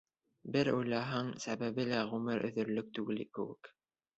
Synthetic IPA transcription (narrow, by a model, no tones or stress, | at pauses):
bɘɾujlɑɦɑŋsæβæβɘlæʁʉmɘɾɵ̰̆ðɵ̆ɾlɵk̚t̪ʉɡɘ̆likɘ̰̆wɘ̰k